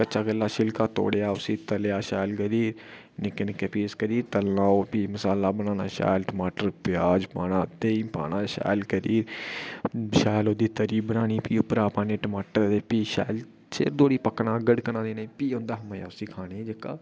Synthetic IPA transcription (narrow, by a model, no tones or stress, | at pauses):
kəːt͡ʃaːɡəlːaːʃɪlkaːt̪o̰ːɽjaːʊsiːt̪əljaːʃaːjlɡəɾiːɾ | nɪkənkepiːskəɾiːɾt̪əlnaːoːpiːməsaːlaːbəñãːnaːʃa̰ːjlʈəmaːʈəɾpɪjaːd͡ʒpaːnãːt̪eːipa̰ːnaːʃa̰ːlkəɾiːɾ | ʃaːjloːd̪iːt̪əɾiːbənaːñiːpiːʊpɾaːpãːnẽːʈəmaːʈəɾeːpiːʃa̰ːl | t͡ʃḛːɾd̪oːɽiːpəknãːɡəɖkənãːd̪eːnaipiːɦõːnd̪aːɦəmaja̰ːʊsiːkʰaːneːd͡ʒəkːa̰ː